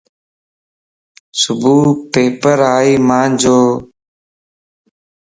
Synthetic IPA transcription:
sʊbʱuːpeːpəɾaːiːmãːnd͡ʒoː

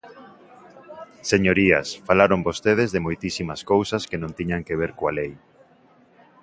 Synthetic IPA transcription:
seɲoɾiɐ̰sfalaɾombost̪eð̞ezðemojt̪isimaskowsɐskenõnt̪iɲaŋkeβ̞eɾkoalej

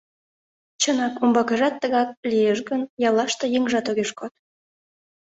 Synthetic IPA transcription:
t͡ɕənɑkombɑkəʒɑt̪ːəɣɑk̚lijeʃɣənjɑlɑʃt̪ə̆jeŋʒɑt̪oɣeʃkot̪̚

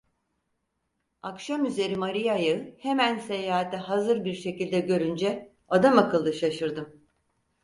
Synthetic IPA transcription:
akʃamyze̞ɾimaɾijajɯhe̞mænse̞jaːat̪ʰɛɦazɯɾbiɾʃe̞cilʲd̪ɛɟø̞ɾynd͡ʒɛ | ad̪amakɯlˠd̪ɯʃaʃɯɾd̪ɯm

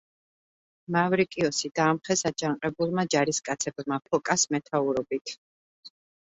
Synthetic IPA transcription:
mavɾikʼiɔsid̪aːmχɛsad͡ʒaŋqʼɛbulˠmad͡ʒaɾiskʼat̪sʰɛbmapʰɔkʼasmɛt̪ʰauɾɔbit̪ʰ

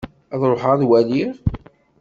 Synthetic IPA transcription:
æðˤɾˤoħaðwæliʁ

